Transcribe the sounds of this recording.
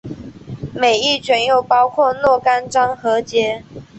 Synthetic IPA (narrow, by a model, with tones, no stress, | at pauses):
me˨˩ɪi˥˨t͡ɕʰɥɛ˧˥njo˨˩ʊpɑ˦ʊkʰwɔ˥˨nwɔ˥˨ka˥˦nʈ͡ʂɑ˥ŋxɤ˨˦t͡ɕjɛ˥